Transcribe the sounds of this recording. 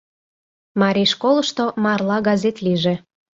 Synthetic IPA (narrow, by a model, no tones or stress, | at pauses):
mɑɾʲiʃkolˠə̆ʃt̪omɑrlˠɑɡɑzʲet̪liʒe